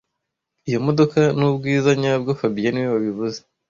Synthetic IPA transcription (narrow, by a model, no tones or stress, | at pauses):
ijo̞mo̞do̞kanubɡiːzaɲab̚ɡofabijaniweβaβiβuze